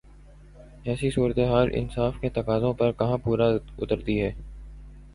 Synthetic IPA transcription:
ɛːsisuːɾət̪eɦaːlʔɪ̰nsaːfket̪ɐkaːzõpɐɾkɐɦãpuːɾaʊ̰t̪əɾt̪iɦɛː

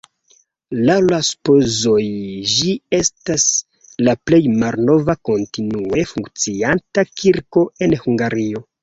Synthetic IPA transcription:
lawlaspo̞zo̞jd͡ʒie̞stas | laple̞jmalno̞vako̞ntinue̞fuŋkt͡siantakiɾko̞e̞nhuŋɡaɾio̞

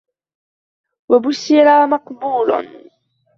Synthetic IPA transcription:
wabʊsːɪɾamɑqbuːla̰n

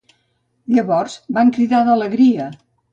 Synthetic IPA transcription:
ʎəβɔrz̥baŋkɾiðaðələɣɾiə

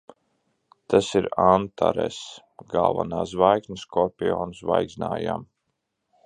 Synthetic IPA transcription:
t̪ʰasiɾant̪ʰa̰ɾɛs | ɡalˠvanaːsvajkniskɔɾpʲiɔːnsvajɡznaːjam

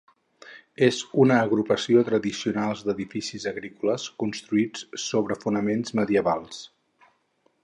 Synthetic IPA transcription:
ezunəːɣɾupəsiot̪ɾəðisiunalˠzd̪əðifisizəɣɾikuləskunst̪ɾuit͡ssoβɾəfunəmenzməðiəβalˠs

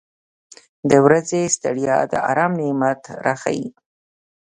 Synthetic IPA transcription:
d̪əwɾazest̪aɽjɑ̰d̪ə̰ɑ̰ɾɑmnemat̪ɾaxa̰ji

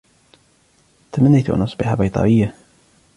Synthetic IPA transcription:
t̪amanːijt̪uʔa̰nʔɑsˤbɪħabɑjt̪ˤɑ̰ʔɪjːa

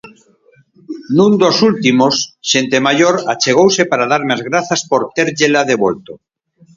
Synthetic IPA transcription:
nũnd̪osult̪imosʃent̪emaʎoɾat͡ʃeɣ̞owsepaɾaðaɾmazɣɾaθaspoɾt̪eɾʎelaðeβolt̪o

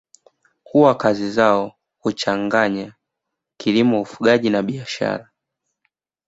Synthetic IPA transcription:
huwakazizaɔ | hut͡ʃaŋɡaɲa | kilimɔufuɠaʄinaɓiaʃa̰ɾa

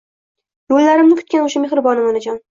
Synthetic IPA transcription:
jollaɾɪmnɪkʰʊ̥t̪̚kʲanoʃameχɾɪbɒnɪmanɪd͡ʒɒn

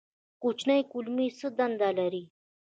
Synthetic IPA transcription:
kut͡ɕʰnaikulmisəd̪and̪alaɾi

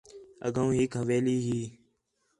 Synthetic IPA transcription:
ə̰ɡaũːɦɪkɦəʋeːliːɦiː

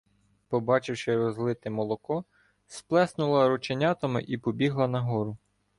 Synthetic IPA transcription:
pɔbɑt͡ʃɪwʃɪɾɔzlˠɪt̪ɪmɔlˠɔkɔ | splˠɛsnʊlˠɐɾɔt͡ʃenʲɑt̪ɐmɪ̰ʔipɔbʲiɦlˠɐnɐɦɔɾʊ

